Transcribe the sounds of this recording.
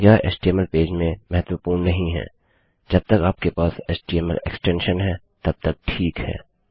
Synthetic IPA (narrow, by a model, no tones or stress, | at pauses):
jaːḛːsʈieːməlpeːd͡ʒmẽmɛɦət̪wəpuːɾnːɐɦĩɦɛ̰̃ː | d͡ʒɐb̚t̪ɐkaːp̚kepaːseːsʈiemə̰lḛksʈɛ̃ːnʃənɦɛ | t̪ɐb̚t̪ɐk̚ʈʰiːkhɛ̰ː